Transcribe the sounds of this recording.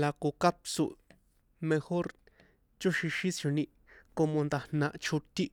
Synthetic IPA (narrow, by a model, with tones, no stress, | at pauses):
la˧ku˧ka˦psṵ˧ʔ | mẽ˧xo˦ɾ | t͡ʃu˦ʃi˧ʃi˦sju˧nĩ˧ʔ | ko˧mõ˧nd̪a˧hnã˧ʔt͡ʃʰu˧t̪ʲi˦ʔ